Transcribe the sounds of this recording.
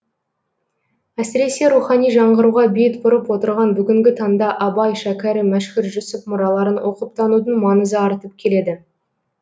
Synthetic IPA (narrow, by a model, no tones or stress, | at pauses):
æsɪɾe̞se̞ɾuχɑnijʒɑɴʁəɾuʁɑbejɪt̪bʊɾəpwo̞t̪əɾʁɑnbʏɡʲɪŋɡʲɪt̪ʰɑnd̪ɑʔɑbɑjʃækʲæɾɪmæʃkʲɪɾʒʊsəfmʊɾɑlˠɑɾənwʔo̞qəp̚t̪ʰɑnud̪əɴmɑnəzəɑɾt̪əp̚kʲʰe̞le̞d̪ɪ